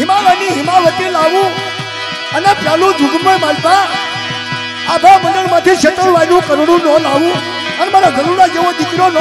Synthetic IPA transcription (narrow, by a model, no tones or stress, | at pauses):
ɦɪmaʋəniɦɪmaʋət̪ilaʋũ | ənepʰlalũd͡ʒ̪ʱuɡɾbəmalpa | abʱaʋmə̃nd̪əɽmãt̪ʰiʃet̪əɾʋanũkəɾɽũlɔ̃laʋũ | ənmaɾaɡʱəɽũnad͡ʒeʋod̪ɪkɾol